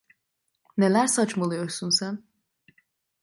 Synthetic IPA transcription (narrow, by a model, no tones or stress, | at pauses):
ne̞lʲæɾsat͡ʃmalˠɯjo̞ɾsunsæn